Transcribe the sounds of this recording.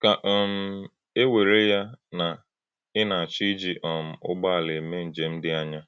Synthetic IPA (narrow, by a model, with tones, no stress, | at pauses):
ka˨ʔm̩˦ | e˦we˨ɾe˦ja˦na˨ | ɪ˦na˨a˨t͡ʃi˦d͡ʒi˨ʔɔ˨m̩˨ʊ̰˦ɡ͡ba˦a˨le˨me˦n̩˨d͡ʒe˨m̩˦dɪ˦a˦ɲa˦